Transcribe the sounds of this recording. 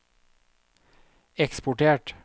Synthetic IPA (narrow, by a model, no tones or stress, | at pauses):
ɛkspʊʈeːʈ